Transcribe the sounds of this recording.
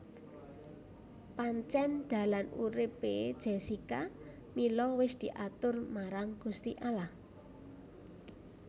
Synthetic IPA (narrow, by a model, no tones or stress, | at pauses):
paɲt͡ʃɛnd̪̥a̤lanṵɾɪped̥ʒ̥esika | milɔwɪsd̪̥i̤ʔat̪ʊrmaɾaŋɡ̥ust̪iʔalah